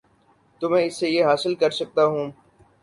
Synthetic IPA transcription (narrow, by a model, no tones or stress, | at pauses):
t̪ʊmɛ̃ːɪsːejeɦaːsɪlkɐɾsɐk̚t̪aɦũː